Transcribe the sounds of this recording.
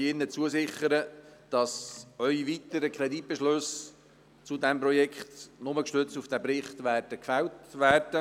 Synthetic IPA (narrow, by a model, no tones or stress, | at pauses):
ɪnːət͡suəsɪχəɾəd̥ɑsœʏiʋit̪əɾəkʰɾɛdit̚b̥ɛʃløs | t͡sʊdɛmpɾɔjɛkχtnʊməkʃtøt͡stufd̥æbɾɪχt̪ʋæːrd̥əkfæltʋæːrd̥ə